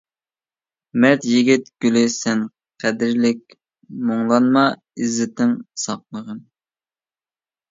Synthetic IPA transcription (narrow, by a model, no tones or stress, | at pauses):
mɛt̪jiɡʲit̪ɡ̥ʲylɪsɛn | qʰæd̪ɪɾlɪk̚ʲ | moŋlˠɑnmɑ | izːɪt̪ɪŋsɑqlˠəʁən